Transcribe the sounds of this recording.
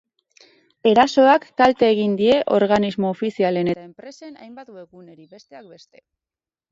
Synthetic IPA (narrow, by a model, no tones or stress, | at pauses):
e̞ɾaso̞akːalt̪eːɣ̞ind̪ie̞ʔo̞ɾɣanizmo̞ːfisiale̞ne̞t̪ae̞mpɾe̞se̞na̰jmbat̪ue̞ɣune̞ɾibe̞st̪e̞ak̚be̞st̪e̞̥